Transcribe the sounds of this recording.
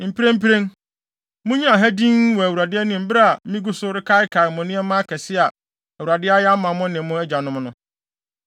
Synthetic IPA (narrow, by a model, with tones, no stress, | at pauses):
m̩˨pʰi˦ɾẽ˦m̩˦pi˦ɾẽ˦ŋ | mʊ̃˦ɲĩ˦a˨ɦæ˦dĩ˦ŋwɔ˨æ˨wu˨ɾa˨dɪ˦ɛ˦nɪ̃˨m̩˦bɪ˦ɾa˦a˨˦mĩ˦ɡu˦sʊ˦ɾɪ˦kʰa˦ɪ˦kʰa˨ɾɪ˨mʊ̃˨nɪ̃˦ɛ˦mã˦kʰɛ˨sɪ˦a˨ | æ˨wu˨ɾa˨dɪ˦a˦ja˦mã˨mʊ̃˦nɪ̃˨mʊ̃˦æ˦d͡ʑa˨nʊ̃˦mnʊ̃˦